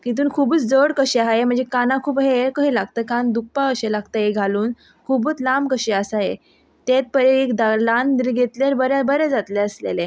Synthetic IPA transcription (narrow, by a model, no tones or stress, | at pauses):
kit̪̬uːnkʰubut͡sd͡zəɽkəɕeaɦaɦem̤əɳd͡zekanãkʰuːbɦeɾkəɦelaɡt̪əkand̪uk̚paəɕelaɡt̪əɦeɡʱaluːn | kʰubuːt͡slamkəɕeəsaɦe | t̪et̪̚pəɾeekd̪aland̪iɾɡʱet̪laɾbəɾjabəɾɛd͡zat̪lɛəslḛle